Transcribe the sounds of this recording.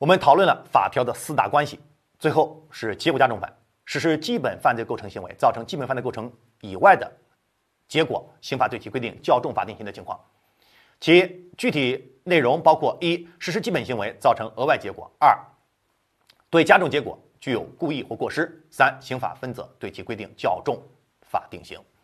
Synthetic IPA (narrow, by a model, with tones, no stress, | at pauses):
wɔ˨˩mə˧˦nt̪ʰɑ˨˩ʊwə˥˩nlə˨˩fa̰˨˩pʰjɑ˧˥ʊd̪ə˨sɹ̩˥t̪a̰˥˩kwa˥nɕḭ˨ | t͡swe˥˧ɪxo˥˧ʊ | ʂɻ̩˥˩t͡ɕɛ˧˥kwt͡ɕja˥ʈ͡ʂʊ˥˩ŋfa̰˨˩˦n | ʂɻ̩˧˥˩ʂɻ̩˥t͡ɕi˥pə˨˩nfa˥˧nt͡se˥˧kʰɤ˧˥ŋɕi˧˥ŋwḛ˧˥ɪt͡sɑ˥˩ʊʈ͡ʂʰɤ˧˥ŋt͡ɕi˥pə˨˩nfʊʈ͡ʂʰŋ | i˨˩wa˥˩ɪd̪ə̰˩ | t͡ɕjɛ˧˥kwɔ̰˨˩ | ɕi˧˥ŋfa˨˩we˥˩t͡ɕʰkwe˥ɪt̪i˥˩ŋt͡ɕjɑ˥˧ʊʈ͡ʂʊ˥˩ŋfa̰˨˩t̪i˥˩ŋɕi˧˥ŋd̪ə˩t͡ɕʰŋʰɑ̰˥˩ŋ | t͡ɕʰi˧˥t͡ɕy˥˩t̪ʰi˨˩ | ne˥˩ɪɻʊ˧˥ŋpɑ˥ʊkʰwɔ˥˩i˥ʂɻ̩˧˥ʂɻ̩˧˥t͡ɕi˥pə˨˩nɕi˧˥ŋwe˧˥ɪt͡sɑ˥˩ʊʈ͡ʂʰɤ˧˥ŋɤ˧˥wa˥˩ɪt͡ɕjɛ˧˥kwɔ̰˨˩˦ɐ˞˥˩ | t̪we˥˩ɪt͡ɕja˥ʈ͡ʂʊ˥˩ŋt͡ɕjɛ˧˥kwɔ̰˨˩ | t͡ɕy˥˧˩jo˨˩ʊku˥˧i˥˧xwɔ˥˧kwɔ˥˩ʂɻ̩˥sa˥nɕi˧˥ŋfa̰˨˩fə˥nt͡sɤ̰˧˥t̪we˥˩ɪt͡ɕʰi˧˥kwe˥ɪt̪i˥˩ŋt͡ɕjɑ˥˧ʊʈ͡ʂʊ˥˩ŋ | fa̰˨˩t̪i˥˩ŋɕḭ˧˥ŋ